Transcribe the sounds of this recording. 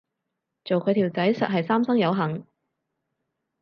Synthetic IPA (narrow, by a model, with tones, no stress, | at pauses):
t͡so˨wkʰɵ˨˧ɥt̪ʰiː˨˩wt͡sɐ˨˥jsɐ˨t̚ɦɐ˨jsaː˥msɐ˥ŋjɐ˨˧wɦɐ˨˩ŋ